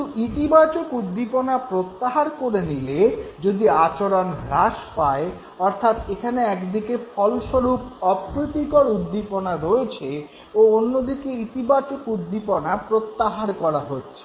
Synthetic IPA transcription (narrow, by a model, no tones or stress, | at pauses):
uit̪ibat͡ɕokud̪ːiponapɾot̪ːaɦaɾkoɾeniled͡ʑod̪iat͡ɕoɾonɾaʃpae | ɔɾt̪ʰat̪ekʰaneɛkd̪ikefʰɔlʃoɾup̚ɔpɾit̪ikoɾud̪ːiponaɾoet͡ɕʰe | oonːod̪ikeit̪ibat͡ɕokud̪ːiponapɾot̪ːaɦaɾkɔɾaɦotːɕʰe̥